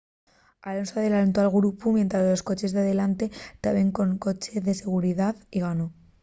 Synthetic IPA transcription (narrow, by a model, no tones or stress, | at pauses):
alo̞nsoað̞e̞lant̪oalɣɾupumje̞nt̪ɾazlo̞sko̞t͡ʃe̞zðeaðe̞lant̪e̞t̪aβeŋko̞ŋko̞t͡ʃe̞ðe̞se̞ɣ̞uɾiðaðiɣ̞ano̞